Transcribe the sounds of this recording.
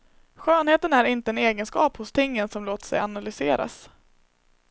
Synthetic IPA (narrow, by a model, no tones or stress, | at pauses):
ɧøːnheːt̪ənæɾɪnt̪əɛneːɡənskɑ̰ːphʊst̪ʰɪŋːənsɔmloːt̪sɛ̰janalʏseːɾa̰s